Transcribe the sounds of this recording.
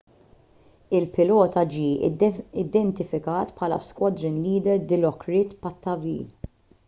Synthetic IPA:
ɪlpɪlɔːt̪ɐd͡ʒiːɪd̪ɛnt̪ɪfɪkɐːt̪pʰħɐːlɐ̰skwɐd̪ɾɪnliːd̪ɛɾd̪ɪlɔkɾɪt̪pɐt̪ːɐvḭːl

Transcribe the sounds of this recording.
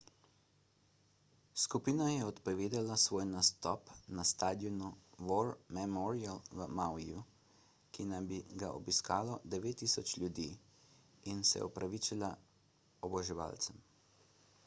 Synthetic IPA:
skupiːnajɛɔt̪pɔʋeːd̪alasʋoːjnast̪ɔpnast̪aːd̪jɔnuʋɔɾmɛmɔɾialʋəmawiju | kinambiɡaʔɔbiskaːlɔd̪ɛʋeːt̪ːiːsɔt͡ʃlʲjud̪iː | insɛ̰ɔ̰pɾʔaʋiːt͡ʃila | ɔbɔʒɛʋa̰lt̪sɛm

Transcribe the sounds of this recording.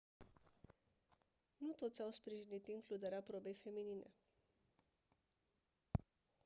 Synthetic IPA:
nut̪o̞t̪sʲawspɾiʒinit̪iŋklud̪eɾeapɾobe̞jfe̞mininḛ

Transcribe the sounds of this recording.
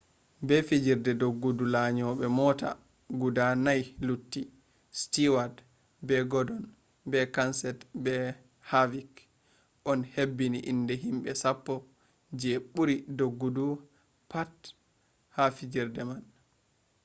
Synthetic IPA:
bɛfid͡ʒiɾdɛdoɡːudulaɲɔɓɛmɔta̰ | ɡudanajlutːi | stiwad | bɛɡɔdɔn | bɛkansɛtbɛ | havik | ʔɔnhebːiniʔindɛɦimɓɛsapːɔ | d͡ʒeɓuɾidoɡːudu | pat | hafid͡ʒiɾdɛman

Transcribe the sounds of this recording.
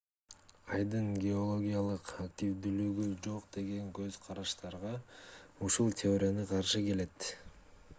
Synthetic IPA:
ɑjd̪ɯnɡʲeo̞lˠo̞ɡʲijalˠɯqakt̪ʲivd̪ylyɡyd͡ʒo̞qd̪e̞ɡe̞ŋkø̞zqʰɑɾɑʃt̪ɑɾʁɑuʃulˠt̪ʲeo̞ɾʲɪjanɯqʰɑɾʃɯke̞le̞t̪

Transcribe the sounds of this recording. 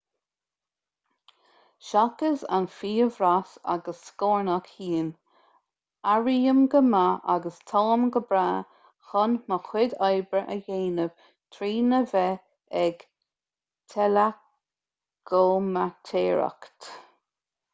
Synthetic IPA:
ʃakəza̰nfiːəvɾasa̰ɡəsːkoːɹnakhiːn | aɹiːəmɡəmaʔaɡəst̪ʰɔləmɡəbɾaː | xɔnməxwɪd̪ɑjbəɹʔə̰jeːnəv̥ | t̪ʰɾiːnəvɛ | ɛɡ | t̪ʰɛla | ɡ̥oːmat̪ʰeːɹa̰kt̪

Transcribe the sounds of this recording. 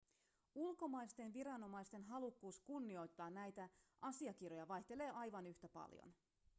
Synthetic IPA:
ulko̞mɑjst̪e̞nʋiɾɑno̞mɑjst̪e̞nɦɑlukːuːskunːio̞jt̪ːɑːnæjt̪æʔɑsiɑkirjo̞jɑʋɑjçt̪e̞le̞ːʔɑjʋɑnyçt̪æpɑ̰ljo̰n

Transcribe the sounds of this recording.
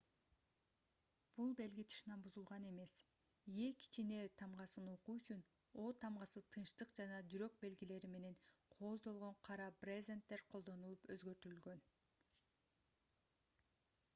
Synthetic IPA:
b̥ulˠbe̞lɡit̪ʰɯ̥ʃnɑnbuzulˠʁɑne̞me̞s | ije̞kʰi̥t͡ʃine̞t̪ʰɑmʁɑsɯno̞quyt͡ʃyn | o̞ːt̪ʰɑmʁɑsɯt̪ʰɯnʃt̪ɯqd͡ʒɑnɑd͡ʒyɾø̞k̚be̞lɡile̞ɾime̞ne̞nqʰo̞ːzd̪o̞lˠʁo̞ɴqʰɑɾɑprʲezʲent̪ːe̞ɾqʰolˠd̪o̞nulˠupøzɡø̞ɾt̪ylɡø̞n

